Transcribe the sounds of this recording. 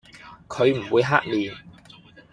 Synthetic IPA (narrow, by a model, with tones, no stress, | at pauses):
kʰɵ˨˧ɥm̩˨˩wuː˨˧jɦa̰ː˥k̚liː˨˩n